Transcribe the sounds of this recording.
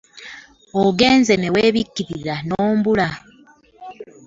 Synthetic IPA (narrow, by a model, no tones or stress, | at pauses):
oɡe̞ːnze̞meweːβikːiɾiɾanoːmbula